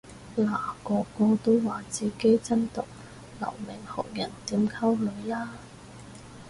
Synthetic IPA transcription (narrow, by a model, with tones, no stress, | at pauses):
laː˨˩kɔː˧kɔː˧t̪o˥wwaː˨t͡siː˨ke˥jt͡sɐ˥nt̪ʊ˨k̚ | lɐ̰˨˩wmɪ˨˩ŋhɔ̰˨˩k̚jɐ˨˩nt̪iː˨˥mkʰɐ˥wlɵ˨˧˥ɥlaː˥